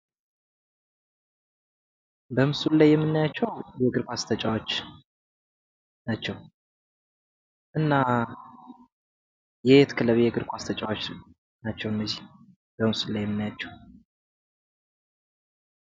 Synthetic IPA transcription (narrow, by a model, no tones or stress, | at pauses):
bəmsullajːɛmːɨnːajat͡ʃːɛwjɛɡɨɾkʷast̪ʰət͡ʃʼawot͡ʃː | nat͡ʃːɛw | ʔɨnːa | jɛt̪kʰɨləβjɛɡɨɾkʷast̪ʰət͡ʃʼawot͡ʃ | nat͡ʃːɛwɨnːəzih | b̥əmsulajːɛmːɨnːajat͡ʃːɛw